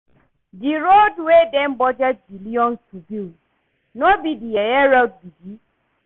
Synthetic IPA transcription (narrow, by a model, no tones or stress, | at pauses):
d͡ʒiɾodwedem̩bɔd͡ʒad͡ʒiliɔn̩tubil | nobidijɛjɛɾad̚bid͡ʒi